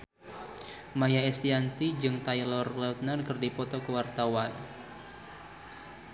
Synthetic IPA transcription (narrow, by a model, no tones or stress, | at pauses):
majaɛst̪iant̪id͡ʒɨŋt̪ajlɔrlɛt̪̚nərkɨrdipɔt̪ɔkəwart̪awan